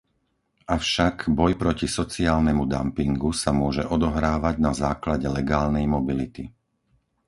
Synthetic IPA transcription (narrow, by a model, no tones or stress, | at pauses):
ʔafʃaɡbɔjpɾɔcisɔt͡siaːlnɛmud̪a̰mpiŋɡusamʊɔʒɛʔɔd̪ɔɦɾaːʋaɟnazaːklaɟɛlɛɡaːlnɛjmɔbilit̪i